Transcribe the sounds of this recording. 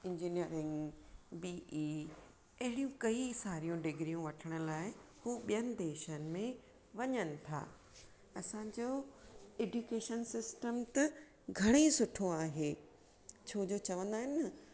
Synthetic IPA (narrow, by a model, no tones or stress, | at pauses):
ɪ̃ɲd͡ʑiːniəɾɪ̃ŋɡbiːi | ɐɦɪɽijũkɐisaːɾijũɖɪɡɾijũʋɐʈʰəɽ̃ʊ̆laːɪhuːɓijənɪ̆d̪eːʃənɪ̆mẽ | ʋɐɲənɪ̆t̪ʰa̰ː | ɐsãd͡ʑoːeːɖukeːʃənsɪsʈəmt̪ɐ | ɡʱɐɽ̃esʊʈʰoaːɦeː | t͡ɕʰoːd͡ʑot͡ɕɐʋə̃nd̪aːɦɪn